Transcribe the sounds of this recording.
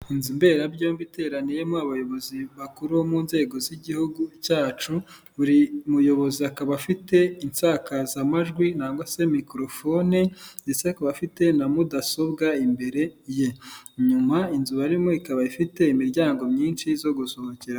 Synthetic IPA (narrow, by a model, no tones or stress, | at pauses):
inzimbe̞ːɾabjoːmbite̞ːɾanijemoaβajo̞βo̞ziβakuɾuomuːnze̞ːɡo̞ziɟihuɡucaːt͡ʃu | βuɾimujo̞βo̞ziakaβafite̞insaːkazamaʒɡwinaːŋɡose̞mikɾo̞fo̞nindet͡sekaβafite̞namudaso̞bɡaimbe̞ɾe̞je̞ɲumainzuβaɾimo̞ikaβaifite̞imiɾɟaːŋɡo̞mɲiːnʃizo̞ɡuso̞hociɾa